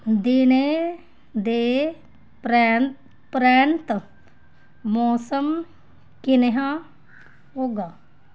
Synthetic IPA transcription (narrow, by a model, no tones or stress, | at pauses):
d̪ine | d̪eː | pɾa | pɾaːnt̪ | mɔːsəm | kineɦã | ɦoːɡaː